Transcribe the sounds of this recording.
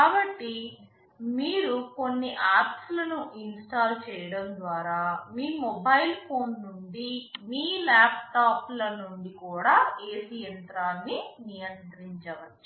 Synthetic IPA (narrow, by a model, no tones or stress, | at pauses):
kaːbɐʈːi | miːɾuko̞nːiʔaːɾpslɐnuʔinsʈaːɾt͡ʃɛːjɐɽɐnd̪ʋaːɾaːmiːmɔbɐjlpʰoːnːuɳɖimiːlaːp̚ʈaːplɐnuɳɖikuːɽaːeːsijɐnt̪ɾaːnːinijɐnt̪ɾiɲt͡ʃɐʋɐt͡ʃːu̥